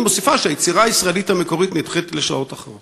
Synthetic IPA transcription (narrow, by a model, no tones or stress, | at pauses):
mo̞sifaʃeajet͡siʁaːjisʁaelithame̞ko̞ʁitnitχetleʃao̞taχʁot